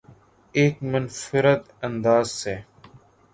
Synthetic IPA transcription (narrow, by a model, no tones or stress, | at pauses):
eːkmənfɪɾət̪ | ənd̪aːzseː